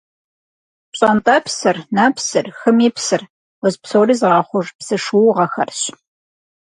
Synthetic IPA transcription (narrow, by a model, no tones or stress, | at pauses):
ɕʼɐntʼɐpsɨrnapsɨrxɨmiːpsɨr | wɔzpsoːriːzʁɑːχʷʊʐpsɨʂuwʁɐxɐ̰rɕ